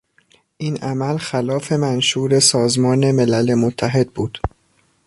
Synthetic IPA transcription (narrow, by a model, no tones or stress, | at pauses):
ʔiːnʔæmælxælɒːfe̞mænʃuːɾe̞sɒːzmɒːne̞me̞lælemot̪ʰːæɦe̞d̪̥̚buːd̪̥